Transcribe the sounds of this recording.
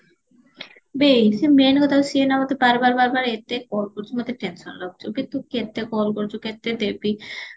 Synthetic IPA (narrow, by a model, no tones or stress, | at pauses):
bejsemenkɔt̪ʰawsienamat̪ebaɾbaɾbaɾbaɾet̪ekɔlkoɾd͡ʑumat̪eʈensɔ̰nɾɔk̚t͡ɕʰobit̪ukːet̪ːekɔlkoɾd͡ʑuket̪ːed̪ebi